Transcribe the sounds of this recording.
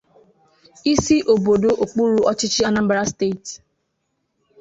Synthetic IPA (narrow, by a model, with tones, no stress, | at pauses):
i˦si˦ʔo˨bo˨do˨ʔo˨k͡pu˦ɾu˦ʔɔ˦t͡ʃɪ˦t͡ʃɪ˦a˦na˦m̩˦bɾa˦ste˦˨t